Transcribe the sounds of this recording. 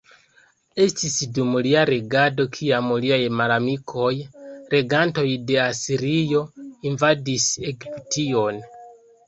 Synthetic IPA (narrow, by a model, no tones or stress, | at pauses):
e̞stisdumliaɾeɡado̞kʰiamuliajmalamikʰo̞jɾe̞ɡanto̞jde̞asiɾijo̞invadise̞ɡiptio̞n